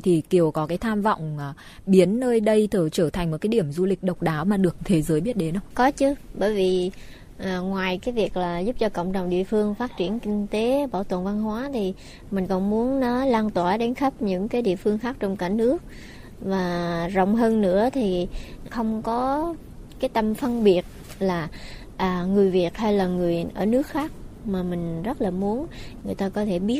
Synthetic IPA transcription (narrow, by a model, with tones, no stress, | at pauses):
t̪ʰi˨˩ki˨˩əwkɔ˨˦kaː˨˦jt̪ʰaː˧mvɔ̰˧˨wŋ͡m | ɓi˨˦ənːəː˧jɗə˧jt̪ʰəː˧˩t͡ɕəː˧˩t̪ʰa˨˩ŋ̟m̚˨˩kːaː˨˦i˧˩əmzu˧lï˨˩k̟̚ɗə˨˩wk͡p̚ɗaː˨˦wmaː˨˩ɗɨ˨˩ək̚t̪ʰe˨˦zəː˨˦jɓi˦˥t̚ɗe˨˦nʔə˧wkɔ˨˦t͡ɕɨ˨˦ɓəː˧˩jvi˨˩ | ʔaː˨˩ŋwaː˨˩jkaː˨˦jvi˨˩ək̚laː˨˩zu˦˥p̚t͡ɕɔ˧kə̰˧˨wŋ͡mt͡ɕə̰˨˩wŋ͡mɗḭ˧˨əfɨ˧əŋfaː˦˥t̚t͡ɕi˧˩ənkï˧ŋ̟t̪e˨˦ɓaː˧˩wt̪wə̰˧˨nva˧nɦwaː˨˦t̪ʰi˨˩ | mï˨˩ŋ̟kɔ˨˩nmu˨˦ənːɔ˨˦laː˧nt̪waː˧˩ɗe˨˦nxə˦˥p̚ɲɨ̰˧˥ŋkaː˨˦jɗḭ˧˨əfɨ˧əŋxaː˦˥k̚t͡ɕɔ˧wŋ͡mkaː˧˩nɨ˦˥ək̚ | vaː˨˩zə̰˧˨wŋ͡mɦəː˧nːɨ̰˧˥ət̪ʰi˨˩xə˧wŋ͡mkɔ˨˦ | kaː˨˦jt̪ə˧mfə˧nɓi˨˩ət̚ | laː˨˩ | ʔəː˨˩ŋɨ˨˩əjvi˨˩ət̚ha˧jlaː˨˩ŋɨ˨˩əjʔəː˧˩nɨ˦˥ək̚xaː˦˥k̚maː˨˩mï˨˩ŋ̟zə˦˥t̚laː˨˩mu˨˦ənŋɨ˨˩əjt̪aː˧kɔ˨˦t̪ʰe˧˩ɓi˦˥t̚